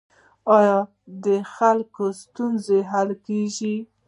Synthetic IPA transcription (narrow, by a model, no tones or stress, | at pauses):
ɑjɑ | d̪əxalkost̪unzeɦalkeʒi